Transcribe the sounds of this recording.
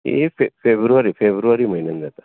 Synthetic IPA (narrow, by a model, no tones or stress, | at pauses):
ḛfefebɾuʋaɾifʰebɾuʋaɾiməɦinənd̪ət̪ḁ